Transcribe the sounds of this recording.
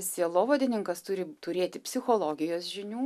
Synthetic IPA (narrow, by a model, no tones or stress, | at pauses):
ssʲeɛlˠoːʋoːd̪ʲɪnʲɪŋkɐst̪ʊɾʲɪt̪ʊɾʲeːt̪ʲɪpʲsʲɪxoːlˠoːɡʲɪjoːsʒʲɪnʲuː